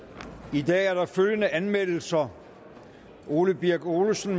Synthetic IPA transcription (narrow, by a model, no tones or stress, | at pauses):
id̥ɛ̰ːæɐɾ̥ɑ̈føljənəʔænmel̰l̩sɐ | ʔo̝ːləb̥iɐɡ̥o̝ːləsn̩